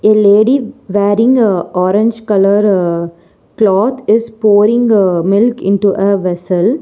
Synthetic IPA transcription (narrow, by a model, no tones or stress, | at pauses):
eleːɖiʋæːɾɪ̃ŋɡɔːɾẽɲd͡ʒkɐləɾ | klɔːt̪ʰɪspoːɾɪ̃ŋɡmɪlkɪ̰̃ɳʈuʔeʋɛsəl